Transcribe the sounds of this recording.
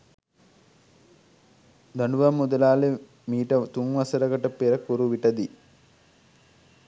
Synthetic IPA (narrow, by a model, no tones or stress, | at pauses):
d̪ɐɳuʋamːud̪ɐlaːle | miːʈət̪uŋʋɐsɐɾɐɡɐʈɐpeɾɐkuɾuʋiʈɐd̪i